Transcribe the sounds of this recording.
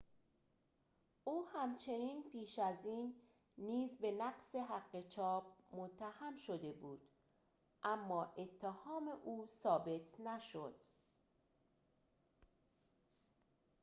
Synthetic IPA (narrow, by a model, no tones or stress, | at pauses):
ʔuːhæmt͡ʃʰe̞niːnpʰiːʃæziːnː | iːzbe̞næqse̞ɦæɢːe̞t͡ʃʰɒːb̚mot̪ʰːæhæmʃod̪e̞buːd̪̥ | ʔæmːɒːʔe̞t̪ʰːehɒːme̞ʔuːsɒːbe̞t̪ʰnæʃod̪̥